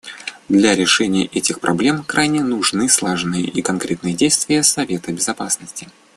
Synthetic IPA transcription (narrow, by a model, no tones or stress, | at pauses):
d̪lʲaɾʲɪʂɛnʲɪjə̰ʔɛtʲɪxpɾʔɐblʲe̞mkɾajnʲɪnuʐnɨslˠaʐnɨjəʔikɐnkɾʲet̪nɨjədʲejst̪vʲɪjəsɐvʲe̞t̪əbʲɪzɐpasnəsʲtʲɪ̥